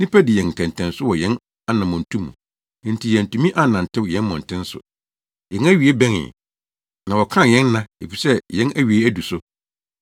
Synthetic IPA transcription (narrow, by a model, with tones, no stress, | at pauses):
nĩ˦pʰæ˦dɪ˨jɛ̃˨n̩˨tʰɛ̃˨ntʰɛ̃˨nsʊ˦wɔ˨jɛ̃˦n | a˦nã˨mɔ̃˨n˨tʰũ˦mːũ˨ | nĩ˨n̩˦tʰi˨jɛ̃˨n̩˨tũ˨mĩ˦ʔa˦nã˨n̩˨tʰɪ̃˦wjɛ̃˦nmɔ̃˨n˨tʰɪ̃˦n˦sʊ̰˨ | jɛ̃˨˦næ˦ɥi˨e˦bæ̃˦nɪ̰̃˨ | nã˨wɔ˨kʰã˦˨jɛ̃˦nː˦ã˦e˨fi˨sɛ˦jɛ̃˦næ˦ɥi˨e˦æ˦du˨sʊ˦